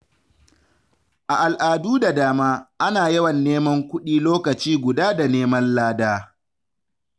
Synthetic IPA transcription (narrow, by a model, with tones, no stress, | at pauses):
ʔa˨ʔa˨lʔaː˨duː˦da˨daː˦maː˦ʔa˦naː˨jɛ˦wɐ˨nːeː˦mɐ˦ŋkʷʊ˦ɗiː˦loː˦kɐ˨t͡ʃiː˦ɡʷʊ˨daː˦da˨neː˦mɐ˦nlaː˦daː˦